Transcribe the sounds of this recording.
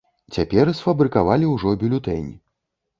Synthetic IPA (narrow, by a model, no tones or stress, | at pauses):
t͡sʲapʲɛrsfɐbɾɨkavalʲiwʐɔbʲulʲut̪ɛnʲi